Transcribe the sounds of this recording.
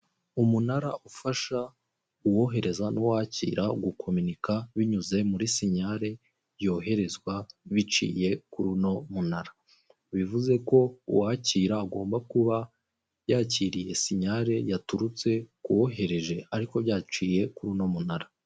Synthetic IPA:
umunaɾaʔufaʃa | uwo̞ɦe̞ɾe̞zanuwaːcḭːɾaɡukʰo̞minikaβiɲuze̞muɾisiɲaɾe̞ | jo̞ːɦe̞ɾe̞zɡwaβit͡ʃḭːje̞kuɾuno̞munaɾa | βivuze̞ko̞ṵwaːciːɾaːɡo̞ːmbakuβa | jaːciɾije̞siɲaɾe̞jatuɾut͡se̞kuwo̞ɦe̞ɾe̞ʒe̞aɾiko̞βjaːt͡ʃiːje̞kuɾuno̞munaɾa

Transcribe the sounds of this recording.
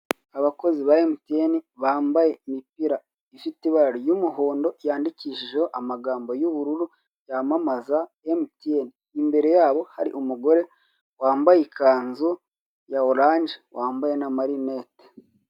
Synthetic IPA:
aβako̞ziβaemtieniβaːmbaje̞mipiɾa | ifitiβaɾaɾojumuɦoːndo̞ijaːndiciʃiʒehoʔamaɡaːmbo̞juβuɾuɾu | jamamaza | emitieniːmbe̞ɾe̞jaːβo̞haɾḭʔumuɡo̞ɾe̞ | waːmbajikʰaːnzu | jaoɾaːɲɟewaːmbaje̞namaɾineːte̥

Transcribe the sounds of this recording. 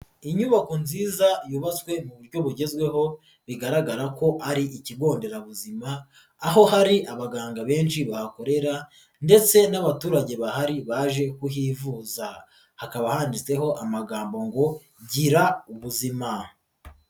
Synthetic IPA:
iɲuβako̞nziːzajuβat͡swe̞muβuɾɟo̞βuɟe̞zɡwe̞ɦo̞ | βiɡaɾaɡaɾako̞ʔaɾiʔiciɡo̞ːnde̞ɾaβuzimaː | ɦo̞ɦaɾiʔaβaɡaːŋɡaβe̞ːnʃiβahako̞ɾe̞ɾa | nde̞t͡se̞naβatuːɾaɟe̞βahaɾiβaʒe̞kuhivuːza | hakaβahaːndit͡se̞ɦo̞ʔamaɡaːmbo̞ŋɡo̞ | ɟiɾauβuzima

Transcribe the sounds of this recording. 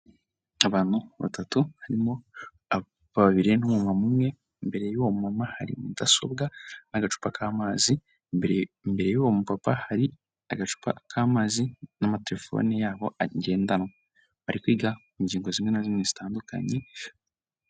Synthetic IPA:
aβaːn̥uβa̰tatuhaɾimo̞ | a | βaβaβiɾe̞nomumamumŋe̞ | mbe̞ɾe̞joomumamaha̰ɾḭmudaso̞̰bɡanaɡat͡ʃu̥pakʰaːmaːzi | mbe̞ɾe̞jowomupapahaɾi | a̰ɡat͡ʃu̥pʰa̰kʰaːmaːzinamate̞ɾe̞fo̞̰nijaːβo̞ʔaɟe̞ːndanŋa | βaɾikwiːɡaiɲɟiːŋɡo̞zimŋe̞nazimŋez̥itaːnduka̰ɲi

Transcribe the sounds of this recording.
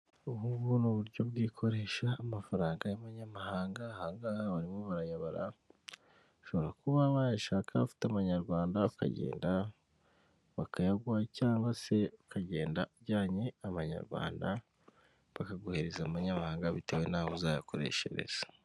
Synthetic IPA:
uhuβunuβuɾɟo̞bɡiːkʰo̞ɾe̞ːʃaːmafaɾaːŋɡajaβaɲamahaːŋɡahaːŋɡahβaɾimoβaɾajaβaɾa̰ | ʃo̞βoɾakuβaβajaʃaːkʰaβafi̥teaβaɲaɾɡwaːndaka̰ɟḛːnda | βakʰajaɡwacaːŋɡwase̞βakʰaɟe̞ːndauβɟaːɲeaβaɲa̰ɾɡwa̰ːnda | βakaɡoheɾezauβaɲamahaːŋɡaβite̞we̞naːhozaːjako̞ɾe̞̰ʃḛɾe̞̰z̥a

